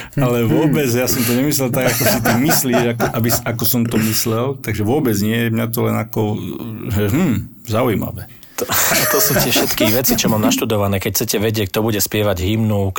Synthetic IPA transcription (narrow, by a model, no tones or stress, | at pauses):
alɛʋʊɔbɛd͡zjasɔmt̪ɔɲɛmislɛlt̪aɡakɔsit̪imisliːʒakɔʔabisakɔsɔmt̪ɔmislɛlt̪aɡʒɛʋʊɔbɛd͡zɲɪɛjɛmɲat̪ɔlɛnakɔʒɛʒɦmm̩ː | zaujima̰ʋɛ | t̪ɔt̪ɔsuːt̪ɪɛfʃʃɛt̪kiʋɛt͡sit͡ʃɔmamnaʃt̪ud̪ɔʋanɛːkɛcʰt͡sɛcɛʋɛɟɛk̚t̪ɔbuɟɛspɪɛʋaɟɦimnuk